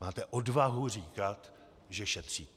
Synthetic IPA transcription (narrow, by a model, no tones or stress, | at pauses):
maːt̪ɛʔodvaɦuriːkat̪ | ʒɛʃɛt̪r̝̥iː